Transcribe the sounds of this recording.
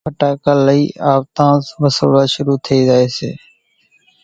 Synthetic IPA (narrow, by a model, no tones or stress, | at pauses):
əʈaːkaːləiːʔaːʋt̪ãːsʋəso̰ːlaːʃʊɾuːt̪ʰeiːzaːeːsḛː